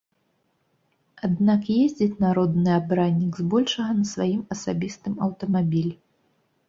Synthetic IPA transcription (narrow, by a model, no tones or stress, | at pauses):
ad̪nakjezʲd͡zʲit͡sʲnaɾɔd̪nɨabɾanʲːiɡzbɔlʲʂɐɣɐnɐsvajimɐsabʲist̪ɨmɐwt̪ɐmabʲilʲi